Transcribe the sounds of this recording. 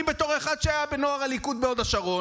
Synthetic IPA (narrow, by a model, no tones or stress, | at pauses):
mbet̪o̞ʁeχad̪ʃeajabenoaʁalikut̪̚beo̞d̪aʃaʁo̞